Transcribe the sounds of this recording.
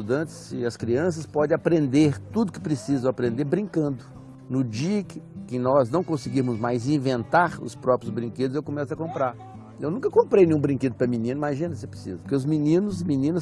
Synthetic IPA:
ud̪ɐ̃t͡ʃɪ̥sɪɐskɾiɐ̃sɐspɔd̪ẽapɾẽnd̪eɾt̪ud̪ʊkɪ̥pɾesizɐ̃w̃apɾẽnd̪eɾbɾĩkɐ̃nd̪ʊ | nʊd͡ʒiɐkɪkɪnɔznɐ̃w̃kõsɪɡiɾmʊzmajzĩvẽnt̪aɾʊ̰spɾɔpɾjʊzbɾĩked̪ʊzewkõmɛsʊɐkõmpɾaɾ | ewnũkɐkõmpɾejnẽj̃ũbɾĩked̪ʊpɾɐminĩnʊimaʒĩnɐsɪewpɾesḭzɐpʊ̥ɾkeʊzminĩnʊzminĩnɐ

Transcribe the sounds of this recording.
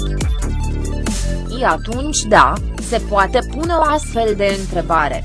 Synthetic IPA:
iat̪unt͡ʃʲd̪a̰ | se̞poat̪e̞pune̞oast̪fe̞ld̪e̞ɨnt̪ɾe̞baɾe̞̰

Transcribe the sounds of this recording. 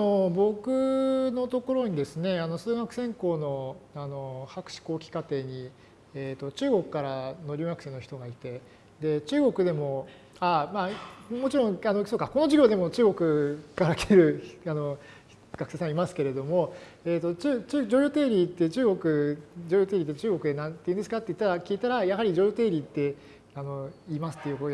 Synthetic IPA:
o̞bo̞kɯ̟no̞t̪o̞ko̞ɾo̞ɲ̟id̪e̞sɨne̞ano̞sɨːɡakɯ̟̥sẽ̞ŋko̞ːno̞ano̞hakɯ̟̥ɕi̥ko̞ːkʲi̥kat̪e̞ːɲ̟i | eːt̪o̞t͡ɕɨːɡo̞kɯ̥kːaɾano̞ɾʲɨːɡakɯ̟̥se̞ːno̞çi̥t̪o̞ɡait̪e̞ | d̪e̞t͡ɕɨːɡo̞kɯ̟d̪e̞mo̞ | amaːmo̞t͡ɕiɾõ̞ŋano̞so̞ːkːako̞no̞ʑiɡʲo̞ːd̪e̞mo̞t͡ɕɨːɡo̞kɯ̟kaɾakʲieɾɯ̟ano̞ | ɡ̥akɯ̟̥seːsãimasɨ̥ke̞ɾe̞d̪o̞mo̞ | eːt̪ot͡ɕɨːt͡ɕɨːd͡ʑo̞ːjo̞ːt̪e̞ːɾʲit̪ːet͡ɕɨːɡo̞kɯ̟d͡ʑoːjo̞ːt̪eɾit̪̬ːet͡ɕɨːɡo̞kɯ̟d̪e̞nãnt̪eiɯ̟̃nd̪e̞sɨ̥kat̪ːeit̪ːaɾakʲiːt̪aɾajaɦaɾʲid͡ʑo̞ːjot̪e̞ːɾʲit̪ːe̞ | ano̞imasɨ̥t̪ːejɯ̟ːk

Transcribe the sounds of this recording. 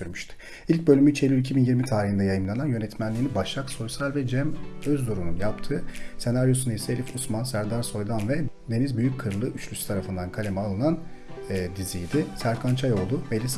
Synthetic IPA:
yɾmy̥ʃt̪ʰɪ̥ | ilʲc̚ʲbø̞lʲymyt͡ʃʰe̞lʲilicʰibinjiɾmit̪ʰaːɾihind̪ɛjajɯmlˠananjø̞nɛt̪mænlʲiinibaʃakso̞jsalʲvɛd͡ʒɛmøzd̪uɾununjapt̪ʰɯːse̞naɾjo̞sunajselʲifusmansæɾd̪aɾso̞jd̪anvɛ | d̪e̞nizbyjyc̚kʰːɯɾlˠɯʔyt͡ʃlʲyst̪ʰaɾafɯnd̪ankʰalʲemɛalˠɯnanːd̪izijd̪ɪsæɾkʰant͡ʃʰajo̞lˠd̪umelʲːis

